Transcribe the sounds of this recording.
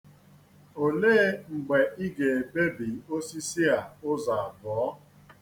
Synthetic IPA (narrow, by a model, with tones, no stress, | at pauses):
o˨le˦ŋ͡m̩˨ɡ͡be˨i˦ɡe˨e˨pe˦bi˨o˦si˦si˦a˨ʊ˦za˨a˨bɔː˨˦